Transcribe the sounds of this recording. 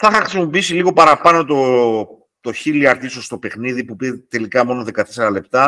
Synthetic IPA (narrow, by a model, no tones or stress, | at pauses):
θɐxɐxɾisimo̞piːsiliɣo̞pɐɾɐpɐno̞t̪o | t̪o̞çiliɐɾt̪isost̪o̞pe̞xniðipupiɾet̪e̞likɐmo̞noðe̞kɐt̪eseɾɐle̞pt̪ɐ